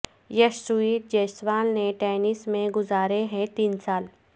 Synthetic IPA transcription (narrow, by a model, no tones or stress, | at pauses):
jɐʃsuiːʈ̚d͡ʒeːsʋaːlneʈɛːnɪsmẽɡʊzaːɾeɦɛ̃t̪iːnsaːl